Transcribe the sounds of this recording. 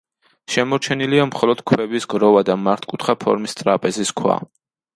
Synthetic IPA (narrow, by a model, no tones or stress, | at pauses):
ʃɛmɔɾt͡ʃʰɛniliamχɔlɔd̪̥kʰwɛbisɡɾɔvad̪amaɾt̪ʰkʼut̪ʰχapʰɔ̰ɾmist̪sʼɾapʼɛziskʰwa̰